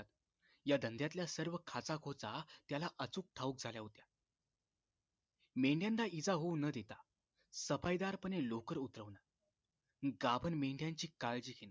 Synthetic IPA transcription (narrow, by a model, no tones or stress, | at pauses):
t̪ | jad̪ənd̪jat̪ljasəɾʋəkʰat͡sakʰot͡sat̪jalaʔət͡suːk̚ʈʰauk̚d͡zʱaljaɦot̪ja | mẽɳɖjãnd̪aʔid͡zaɦownəd̪et̪a | səfajd̪aɾpənelokəɾut̪ɾəʋna | ɡabʱənmeɳɖjãɲt͡ɕiːkald͡ʑiːkʰena